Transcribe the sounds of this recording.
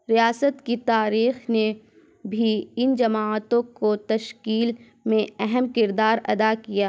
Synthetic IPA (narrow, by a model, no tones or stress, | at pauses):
ɾijaːsət̪kit̪aːɾiːxne | bʱiɪnd͡ʒɐmaːt̪õkot̪ɐʃkiːl | mẽɛɦɛmkɪɾd̪aːɾɐ̰d̪akijaː